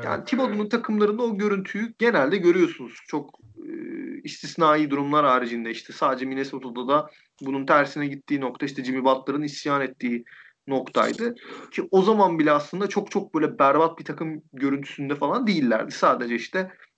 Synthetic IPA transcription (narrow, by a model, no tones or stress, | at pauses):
ja̰ːnit̪ʰibod̪ununt̪ʰakʰɯmlˠaɾɯnd̪ao̞ɟø̞ɾynt̪ʰyjyɟe̞nælʲd̪ɛɟø̞ɾyjo̞sunuz̥t͡ʃʰo̞k | ɯ̰ist̪ʰisnaːjiːd̪uɾumlˠaɾaːɾid͡ʒind̪ɛiʃt̪ʰɛsaːd̪ed͡ʒɛminesot̪ʰod̪ad̪a | bununt̪ʰæɾsinɛɟit̪ʰːiːno̞kt̪aiʃt̪ʰɛd͡ʒimibalˠt̪lˠaɾɯnisjaːnɛt̪ʰːiː | no̞kt̪ʰa̰jd̪ɯcʰio̞zamanbilʲɛaslˠɯnd̪at͡ʃʰo̞k̚t͡ʃʰok̚b̥ø̞jlʲɛbæɾbat̪̚bit̪ʰakʰɯmɟø̞ɾynt̪ʰy̥synd̪ɛfalˠand̪ejilʲːæ̰ɾd̪isaːd̪e̞d͡ʒɛiʃt̪ʰɛ